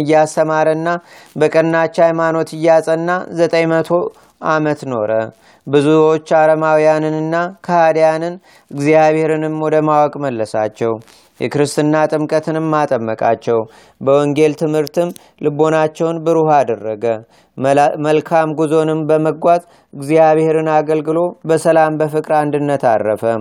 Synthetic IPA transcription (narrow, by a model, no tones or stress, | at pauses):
ɨjːast̪əmaɾənːa | bəkʼənːat͡ʃːajmano̞t̪ɨjːasʼənːazət̪ʼəjmət̪ʰo̞ | ʔamət̪no̞ɾə | bɨzuo̞t͡ʃːaɾəmawijanɨnɨnːakʰahad̪janɨn | ɨɡzijaβhe̞ɾɨnɨmwɔd̪əmawɔkʼməlːəsa̰t͡ʃːɛw | jɛkɨɾɨst̪ʰɨnːat̪ʼɨmkʼət̪ʰɨnɨmːat̪ʼəmːəkʼa̰t͡ʃːɛw | bəwɔŋɡe̞lt̪ʰɨmhɨɾt̪ʰɨm | lɨbo̞nat͡ʃːɛwnbɨɾuhad̪ərːəɡə | məlkʰamɡuzo̞nɨmbəməɡʷazʼ | ɨɡzijaβhe̞ɾɨnaɡəlɡɨlo̞bəsəlambəfɨkʼɾand̪ɨnːət̪arːəfə